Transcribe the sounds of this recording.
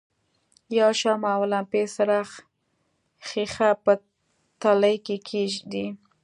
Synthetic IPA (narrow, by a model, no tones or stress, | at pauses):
jawʃamawalampesaɾaχ | xixapə | t̪aləjkekʰeʒd̪i